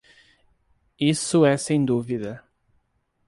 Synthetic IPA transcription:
isʊɛsẽj̃d̪uviðɐ

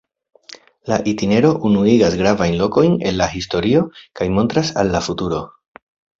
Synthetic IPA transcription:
laʔitine̞ɾo̞ʔunuiɡasɡɾavajnlo̞ko̞jne̞nlahisto̞ɾio̞kajmo̞ntɾasalːafutuɾo̞

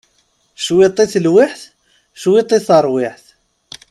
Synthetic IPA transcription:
ʃwit̪ˤːiθlwɪħθ | ʃwit̪ˤːiθəɾˤwɪħθ

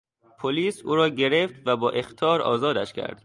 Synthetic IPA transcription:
pʰoliːsuːɾɒːɟe̞ɾeft̪væbɒːʔe̞xt̪ʰɒːɾɒ̰ːzɒːd̪æʃcʰæ̰ɾd̪̥

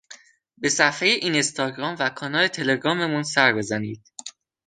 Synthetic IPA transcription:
be̞sæfhe̞jeʔinest̪ʰɒːɡɾɒːmvækʰɒːnɒːlet̪ʰe̞le̞ɡɾɒːme̞munsæɾbe̞zæniːd̪̥̚

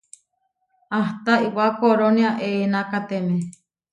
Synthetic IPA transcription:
aht̪aiwakoɾoniaʔenakat̪eme

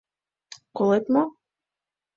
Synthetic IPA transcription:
kolˠet̪mɔ

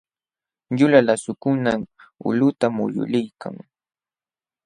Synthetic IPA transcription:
ʎʊlalasʊkʊnamʊ̰lʊt̪amʊ̰ʎʊ̰lɪjka̰ŋ

